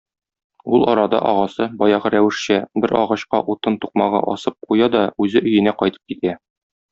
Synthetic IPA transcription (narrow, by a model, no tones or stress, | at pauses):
ulˠɒɾɑd̪ɑ̰ʔɒʁɑsɤbɒjɑʁɤɾæwɘ̆ʃɕæbɘɾɒ̰ʁɑɕqɑ̰ʔut̪ɤnt̪uq̚mɑʁɤ̰ʔɒ̰sɤp̚qujɑd̪ɒʉzɘʔɵ̆jɘ̆næqɒjt̪ɤ̥p̚kit̪æ